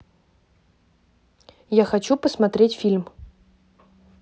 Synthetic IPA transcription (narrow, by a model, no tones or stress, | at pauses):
jaxɐt͡ɕupəsmɐt̪ɾʲetʲfʲilʲm